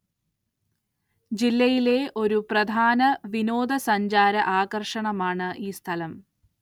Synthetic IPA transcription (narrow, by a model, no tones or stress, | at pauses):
d͡ʑilːɐjile̞ʔo̞ɾuprɐd̪ʱaːnɐʋinoːd̪ʱɐsɐɲd͡ʑaːɾɐʔaːɣɐrʂɐɳɐmaːɳɨʔiːst̪ʰɐlɐm